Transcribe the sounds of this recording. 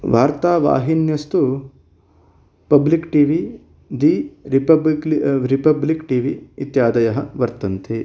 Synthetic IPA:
ʋaːɾt̪aːʋa̰ːɦinjɐst̪u | pɐblikʈiːʋi | d̪iːɾipɐbɾipɐblikʈiːʋiit̪jaːd̪ɐjɐɦɐʋɐɾt̪ɐnt̪ʰe

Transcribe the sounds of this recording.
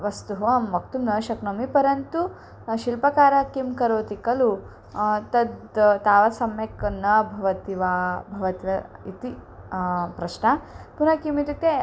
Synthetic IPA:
ʋɐst̪uɦʋɐmʋɐk̚t̪umnɐːʃɐknɐmipɐɾɐnt̪u | ʃilpɐkaːɾɐkimkɐɾoːt̪ikɐlu | t̪ɐd̪t̪aːʋɐsɐmjɐkɐnːɐbʱɐʋɐt̪iʋaːbʱɐʋɐt̪iʋɐit̪i | pɾɐʃnɐpunɐkimit̪ut̪e

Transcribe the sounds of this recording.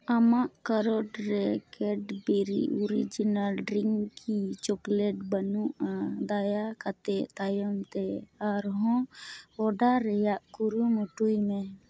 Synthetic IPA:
amaʔkaɾɔɖɾɛkɛɖbiɾḭɔɾid͡ʒinalɾiŋkʰit͡ʃɔklɛʈ̚bənuʔad̪ajakat̪ɛʔt̪ajɔmt̪ɛaɾɦɔ̃ɔɖaɾɛjaʔkuɾumɔʈujmɛ

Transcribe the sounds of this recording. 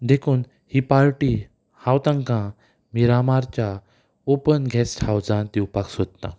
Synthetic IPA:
d̪ekʰuːn | hipaɾʈi | hãwt̪ãŋkã | miɾamaɾt͡ɕja | opənɡʱɛsʈhawd͡zãnt̪iupaksod̪̚t̪ã̰

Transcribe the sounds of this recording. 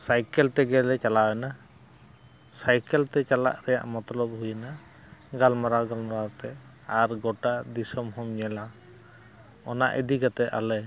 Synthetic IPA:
sajkɛlt̪ɛɡɛlɛt͡ʃalawɛna | sajkɛlt̪ɛt͡ʃala̰ʔɾɛja̰ʔmɔt̪ɔlɔb̚hujna | ɡalmaɾaɾɡalmaɾaɾt̪ɛ | aɾɡɔʈad̪isɔmhɔmɲɛla | ɔna̰ʔɛd̪iɡat̪ɛʔa̰lɛ

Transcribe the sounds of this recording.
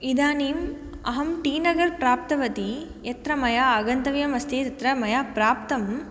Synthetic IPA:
id̪aːniːm | ɐ̰ɦɐmʈiːnɐɡɐɾpɾaːp̚t̪ɐʋɐt̪i | jɐt̪ɾɐmɐjaːɡɐnt̪ɐʋjɐmɐst̪ʰeːt̪ɐt̪ɾɐmɐjapɾaːp̚t̪ɐm

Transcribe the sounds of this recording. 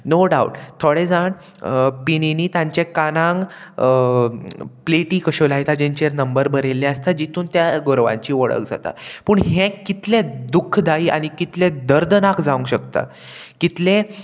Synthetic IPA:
noɖauʈt̪ʰːoɽed͡zaɳ | pininiːt̪jãɲt͡ɕekanãŋɡ | pleʈiːkəɕolajit̪ad͡ʑẽɲt͡ɕeɾnəmbəɾbəɾelːeəst̪ad͡ʑit̪uːnt̪jaɡoɾʋã̰ɲt͡ɕiːʋəɭə̰kd͡za̰t̪a̰puːɳɦẽkit̪lẽd̪ukʰːd̪ʱaiːʔa̰ɽ̃ikit̪lẽd̪əɾd̪nakd͡zaũŋɡɕəkt̪a̰ | kit̪lẽ

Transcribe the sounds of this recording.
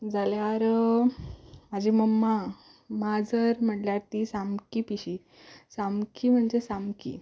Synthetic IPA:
d͡zaljaɾ | mad͡ʑʱiməmːa | mad͡zəɾm̤əʈljaɾt̪isamkiːpiɕi | samkiːm̤əɳd͡zesamkḭː

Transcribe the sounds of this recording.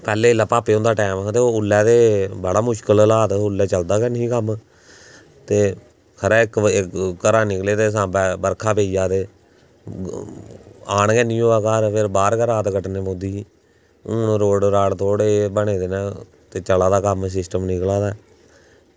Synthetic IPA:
pɛːleːɪlːaːpaːpeːõːnd̪aːʈɛːmt̪eːoːʊlːɛːt̪eːbəɽaːmʊʃkəllaːt̪ːʊlːɛːt͡ʃəld̪aːkɛnĩːkəm | t̪eː | kʰəɾɛːɪkːɪkːəɾãːnɪkleːt̪eːs̬ãːbəɾkʰaːpeːid͡ʒaːt̪eː | aːɳɡɛːnĩːoːaːkaːɾpʰɪɾbaːɾkəɾaːt̪kəʈneːpõd̪iː | uːnɾoːɖɾaːɽt̪ʰoːɽeːbəɽeːd̪eːnaː | t̪eːt͡ʃəlaːd̪aːkəms̬ɪsʈəmnɪklaːd̪aː

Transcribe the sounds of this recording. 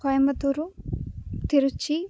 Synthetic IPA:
kɔjɐmɐt̪uɾu | t̪iɾut͡ʃi

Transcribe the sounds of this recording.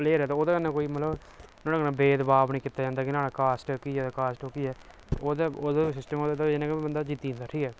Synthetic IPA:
leːɾɛːt̪aoːd̪aːkənːãːkoːiːmət̪ləb | nõːnaːkənãːbeːd̪baːbnĩːkɪt̪ːaːd͡ʒãːnd̪aːkɪnaːɽaːkaːsʈːkiːɛːd̪aːkaːsʈokiːɛː | oːd̪aːd̪asɪsʈəmoːd̪aːt̪aenãːkːbənd̪aːd͡ʒɪt̪ːĩnd̪aːʈʰiːkɛː

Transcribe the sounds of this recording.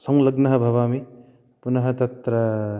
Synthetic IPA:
sɐŋlɐɡnɐɦɐbʱɐβami | punɐɦɐt̪ɐt̪ɾɐ

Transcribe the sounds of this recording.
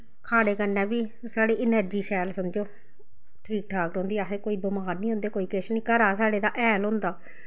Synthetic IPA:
kʰaːɽeːkəɾnɛ̃ːbiː | saːɽiːʔɪnəɾd͡ʒiːʃɛːlsəmd͡ʒoː | ʈʰiːk̚ʈʰaːkɾõːnd̪iːəsẽːkoːiːbəmaːɾnĩːõʊ̃ːnd̪eːkoːiːkɪʃnĩːkəɾaːsaːɽeːd̪aːʔɛːlɦʊ̃nd̪aː

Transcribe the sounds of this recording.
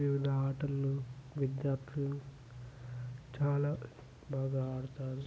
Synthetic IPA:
ʋiʋid̪ʱɐaːʈɐlnuʋid̪jaːɾt̪ʰlɐ | t͡ʃaːlaː | baːɡaːaːɽut̪aːɾu

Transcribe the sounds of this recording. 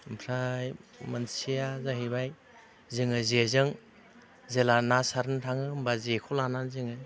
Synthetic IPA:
mpʰɾajmansijazaɦibaj | zɯŋɯzezɯŋ | zelanasaɾntʰaŋɯmbazekʰɔlananzɯŋɯj

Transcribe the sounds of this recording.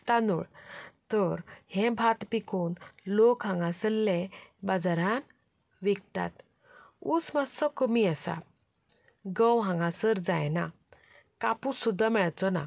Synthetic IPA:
t̪anuɭt̪əɾhɛ̃bʱat̪pikuːnlokɦãŋɡãsəlːɛbad͡zaɾan | ʋik̚t̪a̰t̪ | usmasɔkəmiəsa̰ | ɡəwɦãŋɡasəɾd͡zajna | kapusud̪ʱːamɛɭt͡sɔna̰

